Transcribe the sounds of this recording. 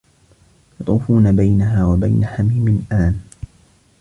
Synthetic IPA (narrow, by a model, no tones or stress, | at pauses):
jɑt̪ˤuːfuːnabajnaɦaːwaba̰jnaħamiːmɪnʔaːn